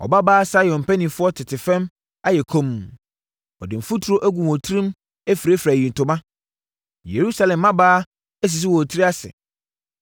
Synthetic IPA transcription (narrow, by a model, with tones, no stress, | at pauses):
ɔ̰˨ba˦baː˦sa˦jɔ̃˨m˨pʰæ˦nĩ˨fʊ˦ɔ˦tʰɪ˨tʰɪ˨fɛ̃˦m | a˦jɛ˨kʰõ˦m˨ | ɔ̰˨dɪ˨m̩˨fu˦tʰu˨ɾo˦ʔæ˦ɡũ˨wɔ˨tʰɾĩ˦m | æ˦fi˨ɾe˦fɾæ˨jĩ˨n̩˨tʰʊ˨mã˦ | je˨ɾu˦sa˦lɛ̃˨mːã˦baː˦ | ɛ˦s̬i˨s̬ɪ˦wɔ˨tʰi˦ɾi˦a˦sɪ̰˨